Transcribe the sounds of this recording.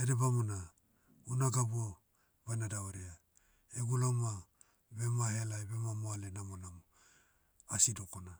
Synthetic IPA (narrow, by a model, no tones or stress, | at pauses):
eɾebamona | ɡunaɡabuo | bajnadaoɾea | eɡulama | bemahelajbemamoalenamolam | asidokona